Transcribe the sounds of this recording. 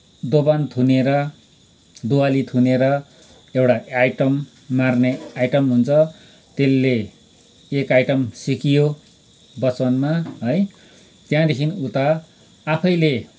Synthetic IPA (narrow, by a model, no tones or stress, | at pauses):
d̪obant̪ʰuneɾʌ | d̪uwalit̪ʰuneɾʌ | ewʈaajʈʌmː | arneajʈʌmɦunt͡sʰʌ | t̪elːeː | kajʈʌmsikijo | bʌt͡sʌnmaɦʌj | t̪jãd̪ekʰinut̪aː | pʰʌjle